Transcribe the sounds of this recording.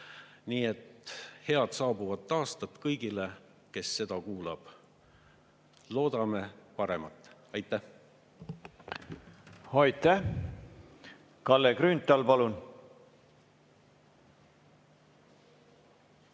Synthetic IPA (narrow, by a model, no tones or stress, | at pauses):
niːe̞t̪he̞ɑd̪̥sɑːbuvɑt̪ːɑːst̪ɑt̪ːkɤjɡ̥ile̞ | ke̞sːe̞d̪̥ɑkuːlɑb̥ | lo̞ːd̪̥ɑme̞pɑɾe̞mɑt̪ːˑ | ɑjt̪ːˑæh | hɑjt̪ːæh | kɑlːekɾynt̪ːˑɑlpɑlun